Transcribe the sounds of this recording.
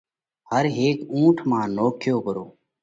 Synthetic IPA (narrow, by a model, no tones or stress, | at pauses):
həɾɦeːkũːʈʰmãːnoːkʰɪjoːkəɾoː